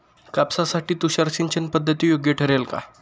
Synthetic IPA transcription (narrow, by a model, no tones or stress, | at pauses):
kapsasaʈiːt̪uɕaɾt͡ɕint͡ɕənpəd̪ʱːət̪iːjoɡjeʈʰəɾelka̰